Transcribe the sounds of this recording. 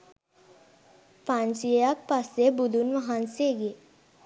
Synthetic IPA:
pãnt͡ʃijjak̚pasebud̪unʋəɦanseɡe

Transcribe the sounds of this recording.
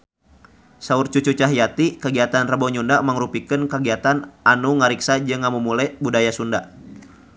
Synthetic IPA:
saurt͡ʃut͡ʃut͡ʃaɦjat̪ikəɡiat̪anrəbɔɲundaməŋɾupikənkəɡiat̪ananuŋaɾiksad͡ʒɨŋamumulɛbudajasunda

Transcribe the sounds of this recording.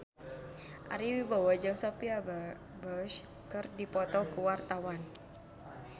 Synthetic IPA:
ʔa̰ɾiwibawad͡ʒəŋsopia | bɔʃ | kɨrdipɔt̪ɔkəwart̪awan

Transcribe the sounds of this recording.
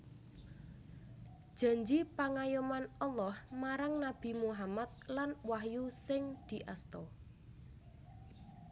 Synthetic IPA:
d̥ʒ̥a̤ɲd͡ʒipaŋajumanɔlːɔhmaɾaŋnab̥i̤muɦamat̪̚lanwaɦjusɪŋd̪̥i̤ʔast̪ɔ

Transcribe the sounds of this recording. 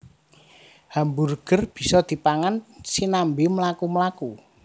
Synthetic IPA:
hamburɡ̥ə̤rb̥i̤sɔd̪̥i̤paŋansinambeməlakuməlaku

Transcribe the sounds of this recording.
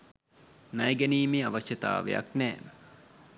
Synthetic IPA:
nɐjɡæniːmiaʋaʃjɐt̪a̰ːʋḛja̰knɛːmə

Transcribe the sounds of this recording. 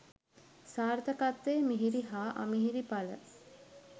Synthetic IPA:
saːɾt̪əkat̪ːeːmiɦiɾiɦaːʔa̰miɦiɾipalə̰

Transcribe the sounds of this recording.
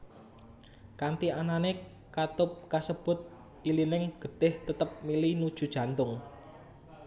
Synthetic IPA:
kant̪ianane | kat̪ʊp̚kasəb̥ʊ̤t̪̚ | ʔilinɪŋɡ̥ə̤ɖ̥ɪ̤ht̪ət̪əp̚milinud̥ʒ̥ṳd̥ʒ̥ä̤nt̪ʊŋ

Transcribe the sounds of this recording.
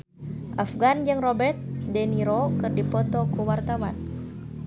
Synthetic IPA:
ʔafɡand͡ʒɨŋrɔbɛrt̪̚dɛniɾokɨrdipɔt̪ɔkuwart̪awan

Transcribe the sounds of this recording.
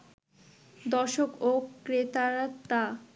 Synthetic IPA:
d̪ɔʃokokɾet̪aɾat̪a

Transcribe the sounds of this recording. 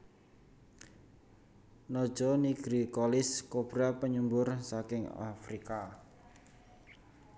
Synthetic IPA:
nɔd̥ʒ̥ɔniɡ̥ɾikɔlɪskob̥ɾapəɲumbʊrsakɪŋa̰fɾika

